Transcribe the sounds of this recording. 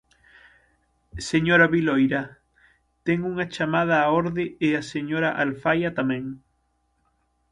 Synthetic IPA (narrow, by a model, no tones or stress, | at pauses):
seɲoɾaβilojɾɐ | t̪ɛŋuŋɐt͡ʃamað̞aːoɾðɪɪaseɲoɾaʔalfajat̪amɛ̃ŋ